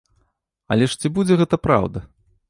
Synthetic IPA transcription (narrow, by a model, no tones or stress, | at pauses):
ɐ̰lʲɛʂt͡sʲibud͡zʲɛɣɛt̪ɐpɾa̰wd̪ɐ